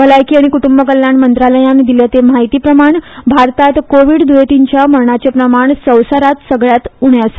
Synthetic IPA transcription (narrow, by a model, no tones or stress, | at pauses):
bəlajkiaɽ̃ikuʈumbəkəljanmənt̪ɾaləjãnd̪iljat̪emaɦit̪iːpɾəmaɳbʱaɾt̪at̪koʋiɽd̪ujet̪iɲt͡ɕjaməɾɳat͡ɕepɾəmaɳsəwsaɾat̪səɡɭjat̪uɳeəs